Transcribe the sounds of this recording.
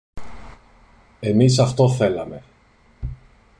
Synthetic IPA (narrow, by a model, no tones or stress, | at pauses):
e̞misɐft̪o̞θe̞lɐme̞